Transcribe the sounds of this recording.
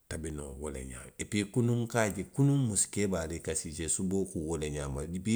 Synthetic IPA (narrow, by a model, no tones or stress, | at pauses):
tabinowolḛɲa̰ːepikunũŋkaːd͡ʒekunũmusi̥kebaːlekasid͡ʒesuboːkuwoleɲaːmadibi